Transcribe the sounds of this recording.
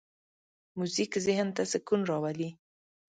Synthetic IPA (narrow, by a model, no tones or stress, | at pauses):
muzikzɪhnt̪asɪkunɾɑwali